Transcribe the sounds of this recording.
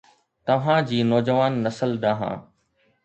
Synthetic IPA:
t̪ɐʋ̤ãd͡ʑiːnɔːd͡ʑəʋaːnːɐsəld̪aːɦã̰ː

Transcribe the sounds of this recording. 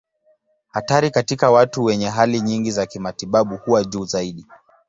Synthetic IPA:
hataɾikatikawatuwɛɲɛɦaliɲiŋɡizakimatiɓaɓuhuwaʄuːzaiɗi

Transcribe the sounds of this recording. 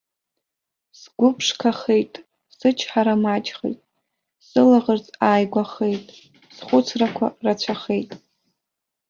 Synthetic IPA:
sɡʷʊpʰʂkʰaχejtʼ | sɨt͡ʃʰħaɾamat͡ʃʼχḛjtʼ | sɨlaʁərt͡sʼaːjɡʷaχejtʼ | sχʷʊt͡sʰrakʷʰa̰rat͡ɕʷʰaχe̞jtʼ

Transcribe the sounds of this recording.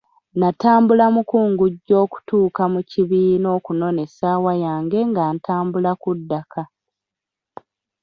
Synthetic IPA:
nataːmbulamukuːŋɡuɟːo̞ːku̥tuːkamuciβiːno̞ːkuno̞ne̞saːwajaːŋɡe̞ŋɡaːntaːmbulakudːakʰa

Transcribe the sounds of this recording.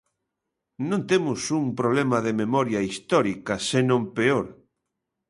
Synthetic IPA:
nõnt̪emʊsuŋpɾoβlemɐðememɔɾjɐist̪ɔɾikɐsenõmpeoɾ

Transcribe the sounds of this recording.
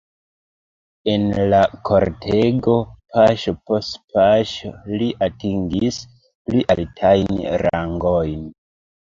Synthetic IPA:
enlakʰoɾtʰe̞ɡo̞paʃopostpʰaʃoliʔatiŋɡis | pliʔaltʰajnɾa̰ŋɡojn

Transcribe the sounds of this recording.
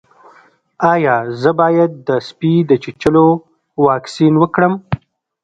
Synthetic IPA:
ɑjɑzəbɑjad̪̚ːəspid̪ət͡ʃɪt͡ʃəlo | wɑksinwəkɽəm

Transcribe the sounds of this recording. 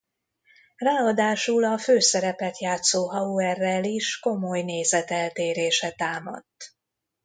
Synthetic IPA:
raːɒd̪aːʃulɒføːsɛɾɛpɛt̪jaːt̪soːɦɒuɛrːɛliʃko̞mo̞jneːzɛt̪ɛlt̪eːɾeːʃɛt̪aːmɒ̰t̪ː

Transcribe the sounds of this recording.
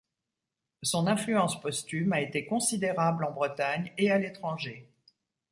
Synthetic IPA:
sɔ̃nɛ̃flyɑ̃spɔst̪ymaet̪ekɔ̃sid̪eʁablɑ̃bʁət̪aɲealet̪χɑ̃ʒe

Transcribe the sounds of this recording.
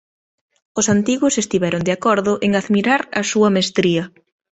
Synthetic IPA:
ʊsant̪iɣʊsest̪iβɛɾond̪eakɔɾðʊʔeŋaðmiɾaɾɐsuɐmest̪ɾiɐ

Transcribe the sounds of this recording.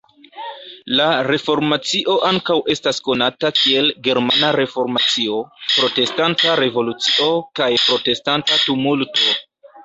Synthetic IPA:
laɾe̞fo̞ɾmat͡siʔo̞ʔaŋkawʔe̞stasko̞natakie̞lɡe̞ɾmanaɾe̞fo̞ɾmat͡sio̞pɾo̞te̞stantaɾe̞vo̞lut͡siʔo̞kajpɾo̞te̞stantatumulto̞

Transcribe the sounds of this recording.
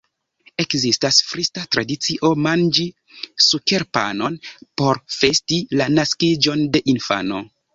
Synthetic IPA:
e̞kzistasfɾistatɾadit͡siʔo̞mand͡ʒi | suke̞ɾpa̰no̞npo̞ɾfe̞stilanaskid͡ʒo̞nde̞ʔinfa̰no̞̰

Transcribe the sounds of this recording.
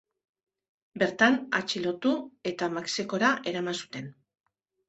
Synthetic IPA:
be̞ɾt̪ana̰t͡ʃilo̞t̪ue̞t̪amakseko̞ɾaʔe̞ɾamansu̥t̪e̞n

